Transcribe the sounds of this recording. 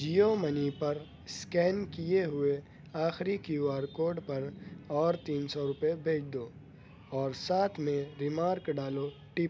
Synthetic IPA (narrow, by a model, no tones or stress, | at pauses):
d͡ʒijomɐnipɐɾ | skɛːnkijeɦʊe | aːxɾikiwaːɾkoːɾɖpɐɾɔːɾt̪iːnsɔɾʊpebʱeːt͡ʃʰd̪oː | ɔːɾsaːt̪ʰmẽɾɪmaːɾkɖaːlo | ʈɪp